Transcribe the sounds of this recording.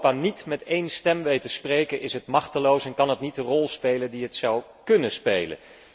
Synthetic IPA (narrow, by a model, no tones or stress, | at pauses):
paːnitmɛtejnstɛmʋejtəsprejkənʔɪsɦətmɑχtəlowsɛnkɑnɦətnitərɔlˠspejləndiɦətsʌw | kɵnəspejlə̰n